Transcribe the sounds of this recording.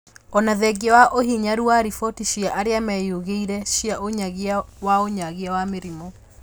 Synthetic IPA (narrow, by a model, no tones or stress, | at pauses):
ɔnaðɛɡawaʔohiɲaɾuaɾifɔtiʃiaʔaɾeamɛjoɣeiɾɛʃiaʔoɲaɣeawaoɲaɣeawameɾimɔ